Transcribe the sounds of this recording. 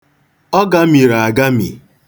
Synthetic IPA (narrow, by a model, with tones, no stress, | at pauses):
ɔ˦ɡa˦mi˨ɾa˨a˨ɡa˦mḭ˨